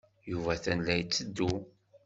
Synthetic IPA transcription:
juvæθænlæjt͡sːəd̪ːu

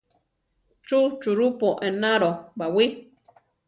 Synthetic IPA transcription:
t͡ʃut͡ʃuɾupoʔẽnãɾobawi

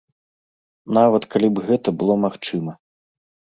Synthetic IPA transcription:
navɐt̪kalʲibɣɛt̪ɐbɨlˠɔmaxt͡ʂɨmɐ

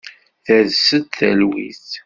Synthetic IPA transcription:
θæðsəd̪θæ̰lwḭθ

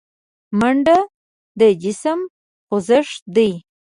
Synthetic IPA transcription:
maɳɖa | d̪əd͡ʒɪsəm | qʊzəʂd̪əj

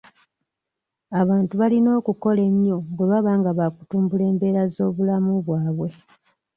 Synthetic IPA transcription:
aβaːntuβalino̞ːkuko̞le̞ɲjo̞ŋɡeβaβaːŋɡaβaku̥tuːmbule̞ːmbe̞ːɾazo̞ːβulamuβwaːβwe̞

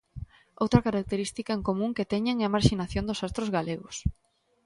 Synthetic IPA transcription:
owt̪ɾɐkaɾak̚t̪eɾist̪ikɐeŋkomũŋket̪ɛɲeŋeɐmaɾʃinaθjond̪ʊsast̪ɾʊzɣaleɣʊs

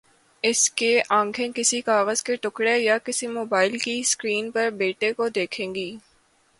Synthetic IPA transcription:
ɪskeʔãːŋkʰẽkɪsikaːɣəzkeʈʊkɽejakɪsimoːbaːɪlkiskɾiːnpɐɾbeːʈekod̪eːkʰẽːŋɡiː

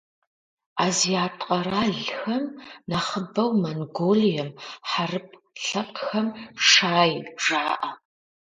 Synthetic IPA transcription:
aːzijaːtʼqʼɐɾaːɮxɐmnɐχəbɐwmɐnɡoːlijɐmħarɨpʰ | ɬɐqʼxɐmʂaːjʐaːʔɐ

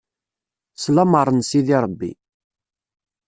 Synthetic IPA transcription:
slɑməɾˤənsiðiɾˤəbːḭ

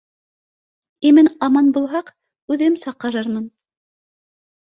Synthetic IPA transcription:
imɘnɑmɑnbulˠɦɑq | ʉðɘmsɑqːɤ̆ɾɤɾmɤn

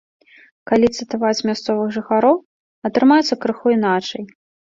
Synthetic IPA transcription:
kalʲit̪sɨt̪avat͡sʲmʲast̪sɔvɨɣʐɨxaɾɔw | ɐt̪ɾɨmajɛt̪sːɐkɾɨxuinat͡ʂɐj

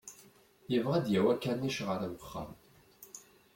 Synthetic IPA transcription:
jəvʁæd̪jæwækːæniʃʁəɾæwəχːə̰n

